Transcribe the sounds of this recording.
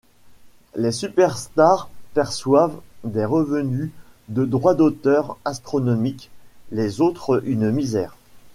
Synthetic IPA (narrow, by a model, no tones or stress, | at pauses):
lesypɛʁst̪aʁpɛʁswavd̪eʁəvəny | d̪əd̪ʁwad̪ot̪œʁast̪χɔnɔmiklezot̪χynmizɛːʁ